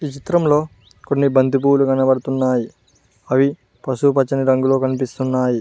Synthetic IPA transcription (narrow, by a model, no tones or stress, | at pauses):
iːt͡ʃit̪ɾɐmlo̞ː | konːibɐnd̪up̬uːluɡɐnɐbɐɽɐt̪unːaːji | ɐʋi | pɐʃupɐt͡ʃːɐniɾɐŋɡulo̞ːkɐnipist̪unːaːji